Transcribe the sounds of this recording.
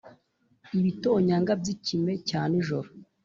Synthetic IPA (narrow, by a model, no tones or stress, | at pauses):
iβito̞ːɲaŋɡabɟicime̞caːniʒoɾo